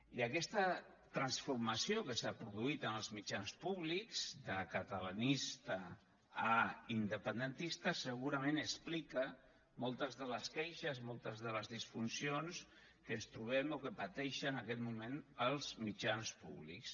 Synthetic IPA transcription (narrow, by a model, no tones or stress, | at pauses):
iəkɛst̪ə | t̪ɾansfuɾmasiokəsapɾuðuit̪ənəlˠzmit͡ʃanspuβlikz̥d̪əkat̪ala̰nist̪ə | aind̪əpənd̪ənt̪ist̪əsəɣ̞uɾamẽnəsplikə | mɔlˠt̪əzðələskɛjʃəzmɔlˠt̪əzðələzðisfunsions | kənst̪ɾuβ̞ɛmokəpat̪ɛʃənakɛt̪mumẽnəlˠzmit͡ʃanspṵβlḭks